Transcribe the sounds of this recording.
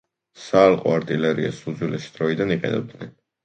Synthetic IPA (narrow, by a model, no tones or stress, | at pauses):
saːlˠqʼɔ̰aɾt̪ʼilɛɾiasud̪zwilʔɛʃi̥d̪ɾɔid̪aniqʼɛ̰nɛ̰b̚d̪nɛn